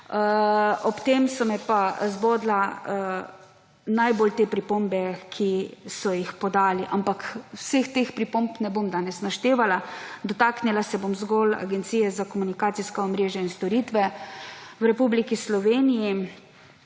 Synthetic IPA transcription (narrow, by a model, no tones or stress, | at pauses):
ɔpt̪emsɔmɛpazboːd̪la | najboːlt̪eːpɾipombɛkʰisɔjixpɔd̪aːliʔampakwsext̪expɾipompnɛbomd̪aːnɛsnaʃt̪eːʋalad̪ɔt̪aːknilasɛbomzɡola̰ɡɛnt̪siːjɛzakɔmunikaːt̪siskɔɔmɾeːʒjainst̪ɔɾit̪ʋɛ | wɾɛpublikislɔʋeːniji